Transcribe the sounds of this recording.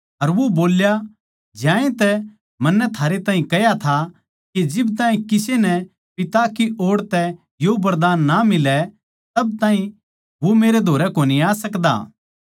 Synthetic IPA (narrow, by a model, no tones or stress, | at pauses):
ɐɾʋoboːlja | d͡ʒjãːẽt̪ɛ | mɐnːɛt̪ʰaːɾet̪aːɦĩkɐɦjat̪ʰa | ked͡ʒɪbt̪ãːĩkɪsenɛ | pɪt̪akiʔoːɽt̪ɛ | jobɐɾd̪aːnːamɪlɛ | t̪ɐb̚t̪ãːɦĩ | ʋomeːɾed̪ʱoːɾɛkoːniaːsɐkd̪a̰ː